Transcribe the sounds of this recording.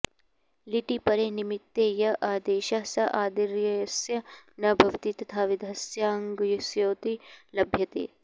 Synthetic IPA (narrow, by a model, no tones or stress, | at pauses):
liʈipɐɾeːnimit̪ːeːjɐʔaːd̪eːʃɐsɐʔaːd̪iɾjɐjɐsjɐnɐbʱɐʋt̪it̪ɐt̪ʰaːʋid̪ʱɐsjaːŋɡjusjoːt̪ilɐbʱjɐt̪ḛː